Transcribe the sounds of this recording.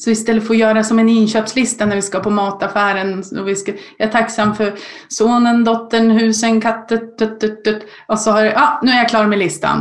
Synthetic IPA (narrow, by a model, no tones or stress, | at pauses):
sɔvɪst̪ɛlːət̪foːɾjœːɾasɔmɛnɪnɕøːpslɪst̪anæɾvɪskaapʰɔmɑːt̪afæːɾənɔvɪskajɑɛʈʰaksamːfœɾ | soːnənd̪ɔt̪ːəɳɦʉ̟ːsənkʰat̪ːət̪̚d̪ɵt̪ːət̪ːət̪ | ɔsɔhaɾʔɑːnʉ̟ːæɾjakʰlɑːɾmɛlɪst̪a̰n